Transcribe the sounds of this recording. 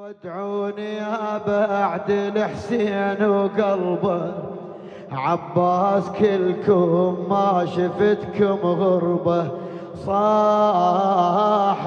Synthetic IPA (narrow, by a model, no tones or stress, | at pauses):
wɪd̪ʕuːniabaʔaʕd̪ɪlɪħsiːnwɡɑlba | ʕɑbːɑːskɪlkʊmːaʃɪfɪt̪kʊmɣʊɾba | sˤɑː